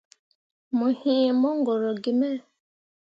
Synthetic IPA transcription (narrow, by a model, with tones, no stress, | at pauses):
mo˨hĩ˦˨mɔ˦ŋɡɔ˨ɾɔ˨ɡɪ˨mɛ˦˨